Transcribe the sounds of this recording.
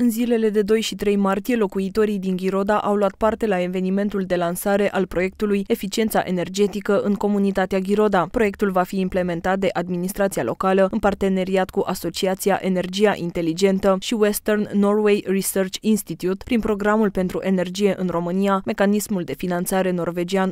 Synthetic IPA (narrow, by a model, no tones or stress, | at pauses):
ɨnzile̞le̞d̪e̞d̪o̞jʃit̪ɾe̞jmart̪ije̞lo̞kuit̪o̞ɾijd̪iŋɡʲiɾo̞d̪aʔawluat̪̚part̪e̞lae̞ve̞nime̞nt̪uld̪e̞lansaɾe̞ʔalpɾo̞je̞k̚t̪uluje̞fit͡ʃie̞nt̪sa̰ʔe̞ne̞rd͡ʒe̞t̪ikəʔɨŋko̞munit̪at̪eaɡʲiɾo̞d̪apɾo̞je̞k̚t̪ulvafiːmple̞me̞nt̪at̪̚d̪e̞ʔad̪minist̪ɾat̪sialo̞̰kaləɨnpart̪e̞ne̞ɾiat̪kuʔaso̞t͡ʃiat̪sia̰ʔene̞rd͡ʒiaʔint̪e̞lid͡ʒe̞nt̪əʃiwe̞st̪ernːo̞rwe̞jrisərt͡ʃinst̪it̪jut̪pɾinpɾo̞ɡɾamulpe̞nt̪ɾuʔe̞ne̞rd͡ʒije̞ʔɨnro̞mɨniame̞kanismuld̪e̞finant̪saɾe̞no̞rve̞d͡ʒian